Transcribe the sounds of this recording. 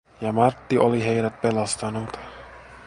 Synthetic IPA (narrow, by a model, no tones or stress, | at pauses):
jɑmɑrt̪ːiʔoliɦe̞jdæt̪̚pe̞lɑst̪ɑnut̪